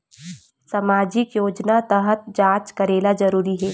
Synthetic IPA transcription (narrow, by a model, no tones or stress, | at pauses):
samaːd͡ʒɪkjoːd͡ʒnat̪əɦət̪̚d͡ʒaːt͡ʃkɐɾeːlazɐɾuːɾiɦɛː